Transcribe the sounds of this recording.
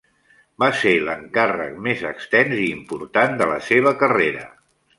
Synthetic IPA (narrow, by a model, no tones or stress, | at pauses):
baseləŋkarə̰k̚mezəkst̪ɛnziːmpuɾt̪and̪ələseβ̞əkəreɾə